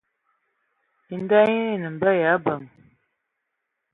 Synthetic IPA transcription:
i˨n̩˦da˦ji˦ni˦˨nə˨m̩˨bə˦ja˨˦bə˨m

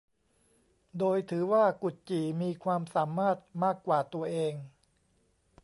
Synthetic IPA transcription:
doː˧jt̪ʰɯː˩˦waː˥˩ku˨˩t̪̚t͡ɕiː˨˩miː˧kʰwaː˧msaː˩˦maː˥˩t̪̚maː˥˩kːwaː˨˩t̪u˧ɐʔeː˧ŋ

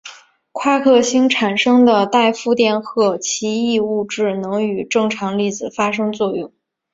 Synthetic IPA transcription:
kʰwa˥˧kʰɤ˥˩ɕi˥ŋʈ͡ʂʰa˨˩nʂɤ˥ŋd̪ə˨t̪a˥˧ɪfu˥˧t̪jɛ˥˧nxɤ˥˩t͡ɕʰi˧˥i˥˧u˥˧ʈ͡ʂɻ̩˥˩nɤ˧˥ŋy˨˩ʈ͡ʂɤ˥˩ŋʈ͡ʂʰɑ˧˥ŋli˥˩d͡zɹ̩˨˩fa˥ʂɤ˥ŋt͡swɔ˥˧jʊ˥˩ŋ

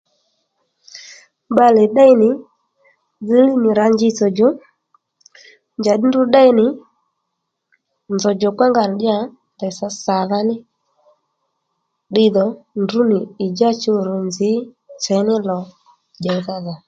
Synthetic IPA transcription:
ɓa˦lɛ˨ɗa˦i˦nɪ˨ | d͡zi˦li˦nɪ˨ɾa˨ɲd͡ʒi˦t͡sɔ˨d͡ʒɔ˦ | nd͡ʒa˨ɗi˦ndu˦ɗa˦i˦nɪ˨ | nzɔ˨d͡ʒɔ˨kwa˦ŋɡa˨n˨ɗɪ˦a˨ | ndɛ˨sa˨˦sa˨ða˦nɪ˦ | ɗɪ˦ðɔ˨ndu˦nɪ˨i˨d͡ʒa˦t͡ʃo˦˨ɾɔ˨nzɪ˨˦ | t͡ʃɛ˨˦nɪ˦lɔ˨ | d͡ʒa˨i˨ða˦ða˨

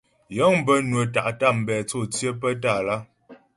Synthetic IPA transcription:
jɔ˨˦ŋm˦bə˦nwə˨ta˨ʔta˦˨m̩˨bɛː˨t͡so˦˨t͡sjə˦p̬ə˦ta˦˨la˦

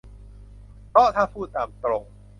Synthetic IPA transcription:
pɔ˦˥t̪ʰaː˥˩pʰuː˥˩t̪aː˨˩mt̪ɾo˧ŋ

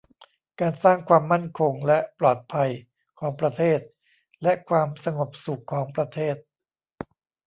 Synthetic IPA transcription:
kaː˧nsaː˥˩ŋkʰwaː˧mːa˥˩nkʰo˧ŋlɛ˦˥plɔː˨˩t̪̚pʰa˧j | kʰɔː˩˦ŋpɾa˧t̪ʰeː˥˩t̪̚ | lɛ˦˥kʰwaː˧msa˧ŋo˨˩p̚su˨˩kʰːɔː˩˦ŋpɾa˧t̪ʰeː˥˩t̪̚

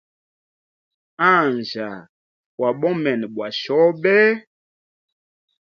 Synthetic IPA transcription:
ã˦˨nd͡ʒa˨ | wa˨ɓɔ˦mɛ˨n˨ɓwa˨ʃɔ˨˦ɓɛ˦

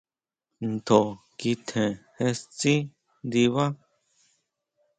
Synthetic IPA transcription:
n̩˨t̪ʰo˨ | ki˧t̪ʰẽ˨he˧st͡sʼĩ˦ | nd̪i˧βa˦

